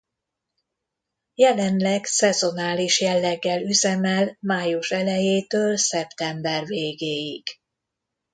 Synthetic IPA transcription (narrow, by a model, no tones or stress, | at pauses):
jɛlɛnlɛɡsɛzo̞naːliʃjɛlːɛɡːɛlyzɛmɛlmaːjuʃɛlɛjeːt̪øːlsɛpt̪ɛmbɛrveːɡeːjiɡ̥